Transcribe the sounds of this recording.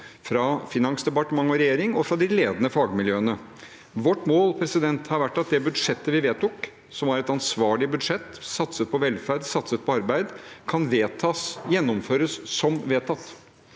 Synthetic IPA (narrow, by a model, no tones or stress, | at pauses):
fɾɑfɪnɑŋsd̪ɛpɑʈəmɑŋːɔɾɛjeːɾɪŋɔfɾɑd̪ɪleːd̪ənəfɑːɡmɪljøːənə | ʋɔʈːmoːlpʰɾɛsɪd̪ɛnt̪hɑɾʋæʈːɑt̪̚d̪ɛbʉd̪ʂɛt̪ːəʋɪʋeːt̪ʊk | sɔmæɾɛt̪ɑnsʋɑːɭɪbʉd̪ʂɛt̪ːsɑt̪sət̪̚pʰɔʋɛlfæɾɖ̪sɑt̪sət̪̚pʰɔɑɾbæɪd̪kʰɑnʋeːt̪ʰɑːsjɛnːɔmføːɾəsːɔmʋeːt̪ʰɑt̪ː